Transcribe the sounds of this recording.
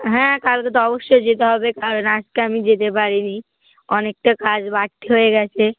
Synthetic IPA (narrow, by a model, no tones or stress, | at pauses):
ɦɛ̃kalket̪ɔboʃːod͡ʑet̪eɦɔbekaɾonaskeamid͡ʑet̪epaɾini | ɔnek̚ʈakad͡ʑbaʈt̪ʰːeɦoeɡɛt͡ɕʰe